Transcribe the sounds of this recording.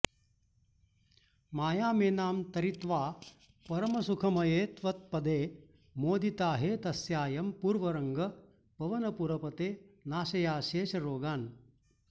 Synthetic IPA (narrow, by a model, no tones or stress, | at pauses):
maːjaːmeːnaːmt̪ɐɾit̪ʋaː | pɐɾɐmɐsukʰɐmɐjeːt̪ʋɐt̪̚pɐd̪eː | moːd̪it̪aːɦeːt̪ɐsjaːjɐmpuːɾʋɐɾɐŋɡɐ | pɐʋɐnɐpuɾɐpɐt̪eːnaːʃɐjaːʃeːʃɐɾoːɡaːn